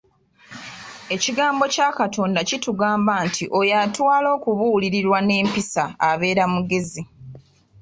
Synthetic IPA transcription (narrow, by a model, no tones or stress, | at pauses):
e̞ciɡaːmbo̞caːkatʰo̞ːndacituɡaːmbaːntʰiʔo̞jatwaːlo̞ːkuβuːliɾiɾwane̞ːmpisaːβe̞ːɾamuɡe̞zi